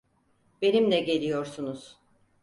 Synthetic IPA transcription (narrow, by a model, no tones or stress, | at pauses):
be̞nimd̪ɛɟe̞lʲijo̞ɾsunuz̥